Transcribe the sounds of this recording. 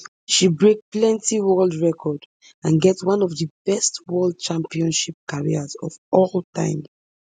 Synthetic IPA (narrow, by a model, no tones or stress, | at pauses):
ʃibɹek̚plɛ̃ntiwɜldɹɛkʰɔd | ãnɡɛtswãnɔvðəb̥ɛstwɜld̚t͡ʃãmpiɔ̃nʃip̚kaɹḭazɔ̰vɔltʰã̰ɪ̃m